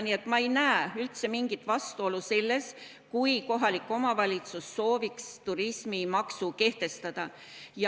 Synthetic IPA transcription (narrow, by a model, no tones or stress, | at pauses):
nie̞t̪ːˑmɑe̞jnæeylt̪se̞miŋɡ̥it̪ːvɑst̪uo̞luse̞lːe̞s | kujko̞ɦɑlikˑːo̞mɑvɑlʲit̪susːo̞ːvikst̪uɾismimɑksuke̞ht̪e̞st̪ɑd̪̥ɑjɑ